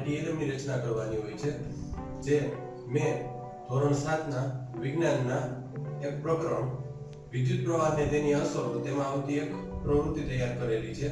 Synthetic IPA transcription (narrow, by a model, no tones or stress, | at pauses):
ɖieləmiɾət͡ʃnakəɾʋaniɦojt͡ʃʰe | d͡ʒe | mẽ | t̪ʰoɾənsat̪ʰnaʋɪɡnanːa | ek̚pɾəkɾəm | ʋid̪jut̪̚pɾəʋanet̪eniəsəɾot̪emãaʋt̪iekpɾəʋɾut̪ːit̪əjaɾkəɾelit͡ʃʰe